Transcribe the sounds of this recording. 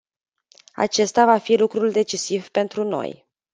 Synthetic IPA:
a̰t͡ʃe̞st̪avafilukɾuld̪e̞t͡ʃisivpe̞nt̪ɾuno̞̰j

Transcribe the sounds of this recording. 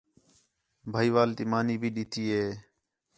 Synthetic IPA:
bʱaːiːʋaːlt̪iːmaːniːbʱiːɗit̪ʰiːɦeː

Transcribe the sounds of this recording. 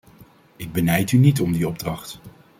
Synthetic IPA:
ɪɡ̚bənɛjtynitɔmdiɔb̚drɑχt

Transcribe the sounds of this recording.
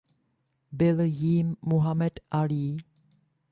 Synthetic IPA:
bɪlɦiːmːuɦamɛdaliː

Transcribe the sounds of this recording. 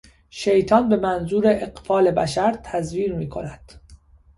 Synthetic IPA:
ʃejt̪ʰɒːnbe̞mænzuːɾe̞ʔːɢfɒːle̞bæʃæɾt̪ʰæzviːɾmiːkʰo̞̰næd̪̥

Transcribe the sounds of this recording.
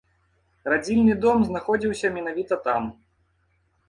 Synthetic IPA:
rad͡zʲilʲnɨd̪ɔmznaxɔd͡zʲiwsʲɐmʲɛnavʲit̪ɐt̪am

